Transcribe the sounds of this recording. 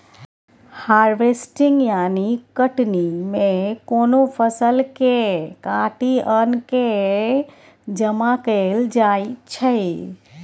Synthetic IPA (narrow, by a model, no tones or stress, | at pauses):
haɾʋesʈiŋɡjanikəʈnimẽkonopʰəsəlkekãʈiənke | d͡ʒəmakəld͡ʒajt͡ʃʰe